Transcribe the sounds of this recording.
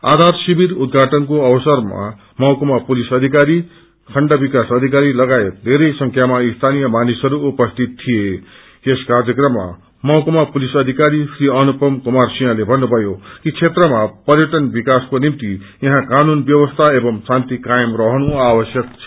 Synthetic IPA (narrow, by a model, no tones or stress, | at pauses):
a̰d̪ʱarsibiɾud̪̚ɡʱaʈʌnkoʌwʌsʌrma̰ | mʌwkomapulisʌd̪ʱikaɾi | kʰʌɳɖʌbikasʌd̪ʱikaɾilʌɡaet̪̚d̪ʱeɾʌjsʌŋkʰjamaist̪ʰanijʌmanisʌɾuːpʌst̪ʰit̪tʰːije | eskarjʌkrʌmːa̰ | mʌwkomapulisʌd̪ʱikaɾisriʌnupʌmkumarsijãlebʱʌnːubʱʌjokit͡sʰet̪rʌmapʌrjʌʈʌnbikaskonimt̪i | jʌɦãkanunbjʌwʌst̪ʰaebʌmsant̪ikajmrʌɦʌnuawʌsjʌk̚t͡sʰʌ̥